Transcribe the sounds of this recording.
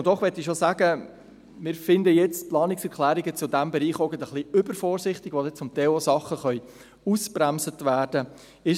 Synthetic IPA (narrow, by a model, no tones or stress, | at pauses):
d̥ɔχʋɛt̪ːɪʃosæːɡə | mɪːɾfɪnd̪əjɛt͡stplɑːnɪksɛɾkʰlæːɾiɡət͡sʊdæmbɛɾiːχɔɡət̪əχliʏbəɾfɔːɾsɪχt̪ɪɡʋodɛt͡sʊmt̪ɛosɑχəχœʏ | uspɾæmsətʋæːɾd̥ə | ɪ